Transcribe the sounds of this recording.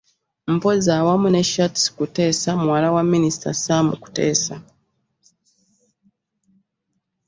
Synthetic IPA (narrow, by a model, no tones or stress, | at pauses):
m̩pozawamuneʃatskute̞ːsamuwalawamːinisi̥ta̰samṵku̥te̞ːsa